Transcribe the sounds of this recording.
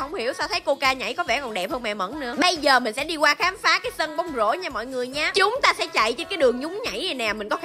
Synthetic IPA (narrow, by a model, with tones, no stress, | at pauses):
ə˧wŋ͡mhi˧˩əwsa˧wt̪ʰə˨˦jko˧kaː˧ɲa̰˧˩jkɔ˨˦vɛ̰˧˩kɔ˨˩nɗɛ˨˩p̚həː˧nmɛ̰˧˨mə̰˧˥nnɨ̰˧˥əɓə˧jzəː˨˩mï̟˨˩sɛ̰˧˥ɗi˧kwaː˧xaː˨˦mfaː˨˦kaː˨˦jsə˧nɓɔ˨˦wŋ͡mzo̰˧˥ɲaː˧˩mɔ̰˧˨jŋɨ˨˩əjɲaː˨˦t͡ɕʊ˨˦ŋ͡mt̪aː˧sɛ̰˧˥t͡ɕa̰˧˨jt͡ɕe˧nkaː˨˦jɗɨ˨˩əŋɲʊ˨˦ŋ͡mɲa̰˧˩jə˨˩naː˨˩mï˨˩ŋ̟kɔ˨˦